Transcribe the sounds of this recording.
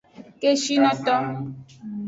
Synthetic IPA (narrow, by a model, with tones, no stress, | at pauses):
ke˦ʃi˦nɔ˦tɔ˦